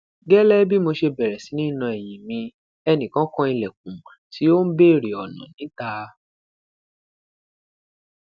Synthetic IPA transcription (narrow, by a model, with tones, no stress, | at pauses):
ɡɛ˦lɛ˦bi˦mo˧ʃe˧bɛ˨ɾɛ˨si˨˦nĩ˦nã˧ɛ˨j̃ĩ˨mĩ˧ | ɛ˧nĩ˨kã˦kɔ̃˦i˧lɛ˨k̚ũ˨mã˨ti˨˦o˦n̩˦be˦˨ɾe˨ɔ˨nɔ̰̃˨nĩ˨˦ta˧